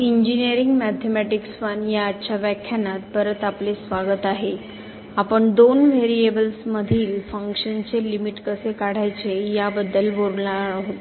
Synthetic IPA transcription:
iɲd͡ʑiniəɾiŋɡmæt̪ʰemæʈiksʋənjaːtːɕaʋɛkʰjanat̪pəɾət̪aplesʋaɡət̪aɦe | apəɳd̪onʋeɾiebəlsməd̪ʱiːlfəŋkɕənt͡selimiʈkəsekaɽ̤ajt͡sejabəd̪ːəlʋoɾlaɦot̪

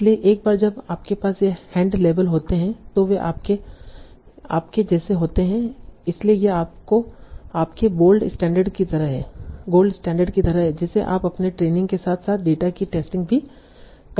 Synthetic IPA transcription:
lieʔeːk̚baːɾd͡ʒɐbaːp̚kepaːsjehɛ̃ːɳɖleːʋəlɦoːt̪eɦɛ̃t̪oʋeʔa̰ːp̚ke | a̰ːpked͡ʒɛːseɦoːt̪eɦɛ̃ɪsliejeaːp̚koaːpkeboːlɖɪsʈɛ̃ːɳɖəɾɖkit̪ɐɾəɦɛ̰ːɡoːlɖɪsʈɛ̃ːɳɖəɾɖkit̪ɐɾəɦɛd͡ʒɛːseʔa̰ːpɐpneʈɾeːnɪ̃ŋɡkesaːt̪ʰsaːt̪̚ʰɖeːʈakiʈeːsʈɪ̃ŋɡbʱi | k

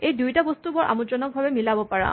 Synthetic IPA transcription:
ejdujtabɔst̪ubɔɹʔa̰mudɹɔnɔk̚bʱabɛmilabɔpaɹã̰

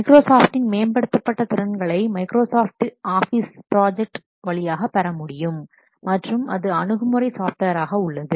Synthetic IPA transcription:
mɐɪkɾoːsaːfʈɪnmeːnbɐɽɯt̪ːɐpːɐʈːɐt̪ɪɾɐnɡɐɭɐɪmɐɪkɾoːsaːfʈaːfispɾaːd͡ʒɛk̚ʈ | ʋɐɭɪjaːɣɐpːɐɾɐmʊɽɪjɯmː | ɐʈrɯmɐðɯɐɳɯɣɯmɯɾɐɪsaːfʈʋɐɾaːɣɐʊɭːɐðɯ

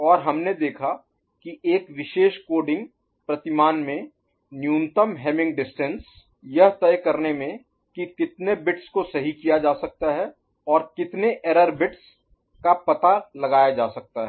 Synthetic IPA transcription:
ɔːɾɦɐmned̪eːkʰa | kiʔeːkʋɪʃeːʃkoːɖɪ̃ŋɡ | pɾɐt̪ɪmaːnmẽ | njuːnt̪əmɦɛːmɪ̃ŋɡɖɪsʈə̃ns | jɐɦt̪ɛːjkɐɾnemẽ | kikɪt̪nebɪʈskosɐɦikijad͡ʒaːsɐk̚t̪aɦɛ | ɔːɾkɪt̪neʔeːɾəɾbɪʈs | kapɐt̪alɐɡaːjad͡ʒaːsɐk̚t̪aɦɛː

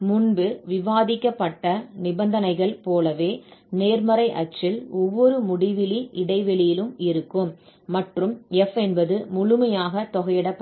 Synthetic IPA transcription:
mʊnbɯʋɪʋaːðɪkːɐpːɐʈːɐnɪbɐnd̪ɐnɐɪɣɐɭpoːlɐʋeːneːɾmɐɾɐɪʔɐt͡ʃːɪlɔʋːɔɾɯmʊɽɪʋɪliʔɪɽɐɪʋɛɭɪjɪlɯmɪɾɯkːɯmːɐʈrɯmɛfɛnbɐðɯmʊɭʊmɐjaːɣɐt̪ɔɣɐjɪɽɐpː

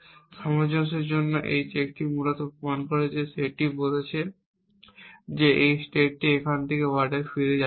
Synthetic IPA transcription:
ʃɔmod͡ʑoʃ̬eɾd͡ʑonːoʔḛjt͡ɕek̚ʈimulot̪opɾomankoɾed͡ʑeʃeʈibolet͡ɕʰe | d͡ʑeʔejsʈeʈ̚ːiekʰant̪ʰekewaɾɖeɾfiɾed͡ʑa

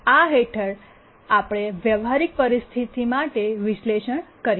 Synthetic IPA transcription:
aɦeʈʰəɾ | apɽ̃eʋjəʋɦaɾik̚pəɾist̪ʰit̪imaʈeʋɪʃleʃəɳkəɾ

